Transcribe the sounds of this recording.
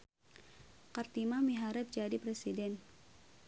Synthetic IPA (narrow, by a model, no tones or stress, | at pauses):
kart̪imamiɦaɾɛp̪̚d͡ʒadipɾesidɛn